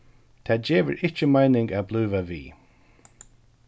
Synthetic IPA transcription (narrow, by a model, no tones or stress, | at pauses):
t̪ʰad͡ʒeːvə̰ɹɪt͡ʃəmajnɪŋɡabluːvavḭː